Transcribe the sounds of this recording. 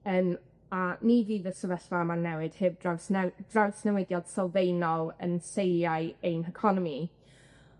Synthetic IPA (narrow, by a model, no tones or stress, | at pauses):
ən | aniːviːðəsəvəɬvamanːɛwɪd̥hɪbdawsnɛd̥rawsnɛwɛdjɔd̥sɔlˠvejnɔlˠə̰nsejjajejnəkʰɔnɔmi